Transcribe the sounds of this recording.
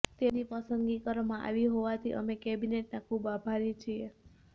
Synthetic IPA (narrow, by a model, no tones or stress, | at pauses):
t̪enipəsəŋɡikəɾmãʔa̰ʋiɦoʋat̪ʰḭʔə̰mekɛbineʈnakʰubabʱaɾit͡ʃʰie